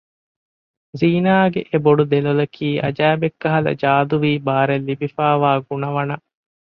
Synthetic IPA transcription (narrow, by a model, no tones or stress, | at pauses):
ziːnaːɡeʔeboɖud̪elolɐkʰiːʔɐ̰d͡ʒæːbekːɐɦɐlɐ̰d͡ʒaːd̪uʋiːbaːɾelːibifaːʋaːɡunɐʋɐnɐ